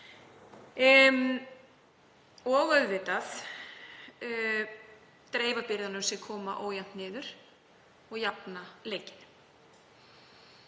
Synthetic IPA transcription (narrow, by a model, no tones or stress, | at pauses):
ɔɣœðvɪːt̪aθ | t̪ɾeːjvapɪɾðanʏmsjɛkʰɔːmaʔoːwjan̥t̪nɪːðʏɾ̥ | ɔɣjapnaleːjcɪnːʏ̥m